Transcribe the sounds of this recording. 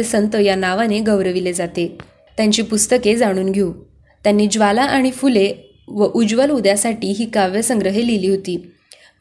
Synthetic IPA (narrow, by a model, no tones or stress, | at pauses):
sənt̪əjanaʋaneɡəʋɾəʋiled͡zat̪e | t̪jaɲt͡ɕiːpust̪əked͡zaɽ̃uːnɡʱeũ | t̪janːiːd͡ʑʋalaʔaɽ̃ifule | ʋəʔud͡ʑʋəlud̪jasaʈiːɦiːkaʋjəsəŋɡɾəɦeliliːɦot̪iː